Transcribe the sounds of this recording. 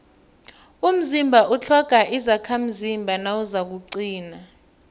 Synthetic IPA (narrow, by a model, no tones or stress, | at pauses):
um̩zimbʱaʔut͡ɬʰɔɡ̥ʱaʔizakʰam̩zimbʱanawuzak̬uǀiːna